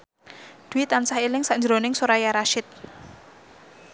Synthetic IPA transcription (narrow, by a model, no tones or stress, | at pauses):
d̪̥uwit̪ansahilɪŋsaɲd͡ʒɾonɪŋsoɾajaɾaʃɪt̪̚